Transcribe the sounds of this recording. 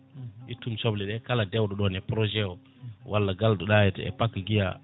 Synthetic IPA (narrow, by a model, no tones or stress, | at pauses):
itumsobliɗekaladewdoɗonepɾoʒeo | wʔalːaɡaldoɗajetḛpakːɡija̰